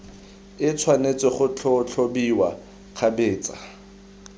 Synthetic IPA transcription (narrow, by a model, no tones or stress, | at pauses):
ɪt͡sʰwanet͡sʼweχʊt͡ɬʰot͡ɬʰobiwa | χʰabeːt͡sʼa